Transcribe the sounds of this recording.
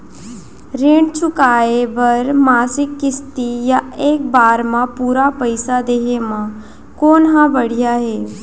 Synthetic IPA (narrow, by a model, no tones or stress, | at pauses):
ɾeːɳt͡ʃʊkaːebəɾmaːsɪkːɪst̪ijaeːk̚baːɾmãpuːɾapəɪsad̪eːɦemã | koːnɦãbəɽ̤ijaɦɛː